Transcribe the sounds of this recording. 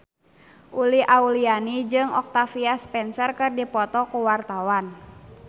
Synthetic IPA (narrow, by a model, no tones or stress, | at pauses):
ʔuliʔaulianid͡ʒɨŋɔk̚t̪afiaspɛnsərkɨrdipɔt̪ɔkuwart̪awan